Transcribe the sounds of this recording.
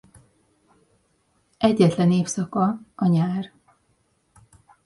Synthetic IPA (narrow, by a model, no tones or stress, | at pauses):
ʔɛɟːɛt̪lɛneːfsɒkɒɒɲaːr